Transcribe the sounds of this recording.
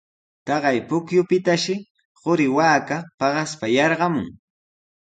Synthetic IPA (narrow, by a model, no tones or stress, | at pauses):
t̪ɑɢɑjpʊkjʊpɪt̪aʃɪ | ɢʊɾɪwaːkapɑɢɑspajɑɾɢɑmʊ̰ŋ